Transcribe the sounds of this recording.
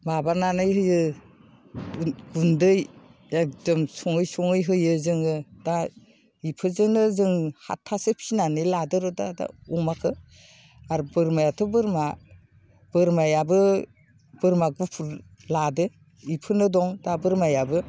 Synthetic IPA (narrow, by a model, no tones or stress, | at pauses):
mabaɾnanɯjɦɯjɯ | ɡundɯj | ekdɯmsɔŋɯjsɔŋɯjɦɯjɯzɯŋɯda | ipʰɯzɯnɯzɯŋha̰tʰːasɯpʰinanɯladɯɾɯdada̰umakʰɯ | aɾbɯɾmajatʰɯbɯɾma | b̥ɯɾmajabɯ | b̥ɯɾmaɡ̚ɡupʰuɾ | ladɯ | ipʰɯnɯdɔŋdabɯɾmajabɯ